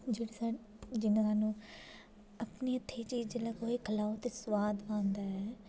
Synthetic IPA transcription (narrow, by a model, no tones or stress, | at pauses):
d͡ʒeːɽaːsa | d͡ʒɪnãɦaːnũː | əpneːət̪ʰːeːt͡ʃiːd͡ʒləɡoːiːkʰəlaːot̪eːswaːd̪ãːnd̪aːɛː